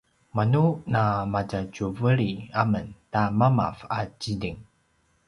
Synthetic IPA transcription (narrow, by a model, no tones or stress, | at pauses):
manunamatat͡ɕuvəɭiaməntamama̰fat͡ɕidiŋ